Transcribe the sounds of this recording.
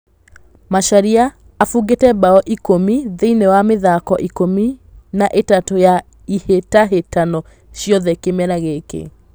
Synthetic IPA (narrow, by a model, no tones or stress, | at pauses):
maʃaɾiaː | fuɡetɛbaɔʔikomiðeinewameðakɔʔikominaʔetatoja | ihetaɦetanɔ | ɕjɔðɛkemɛɾaɣekḛ